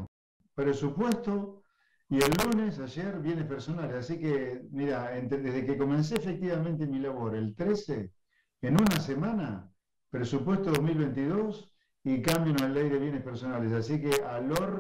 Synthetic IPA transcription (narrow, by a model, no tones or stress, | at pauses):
pɾesupwe̞st̪o̞ | ielːunesaʒeɾβje̞nehpeɾso̞nalesasikemiɾaent̪eðeɦðekeko̞mẽns̬eːfek̚t̪iβamẽnt̪emilaβo̞ɾelt̪ɾeseː | nunasemãna | pɾesupwe̞st̪oðoɦmilβent̪iðo̞s | ikambjonosalejðeβ̞je̞nehpeɾso̞nales̬asikealoɾ